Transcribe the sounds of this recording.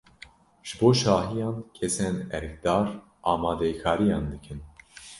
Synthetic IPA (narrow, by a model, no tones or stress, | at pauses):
ʒ̥ɨboːʃɑːɦijɑːnkʰɛsɛnɛɾk̚d̪ɑːɾ | ʔɑːmɑːd̪ɛjkʰɑːɾijɑːnd̪ɨkʰɨn